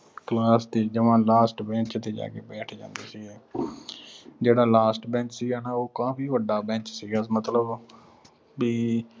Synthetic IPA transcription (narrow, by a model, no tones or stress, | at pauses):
klaːst̪iːd͡ʒəʋãːlaːsʈbɛ̃ːt͡ʃt̪eːd͡ʒa̰ːkeːbɛːʈʰd͡ʒã̰ːnd̪eːsiːɡɛː | d͡ʒeːɽaːlaːsʈbɛ̃ːt͡ʃsiːɡaːnaːoːkãːpiːʋəɖːaːbɛ̃ːt͡ʃsiːɡaːmət̪ləb | biː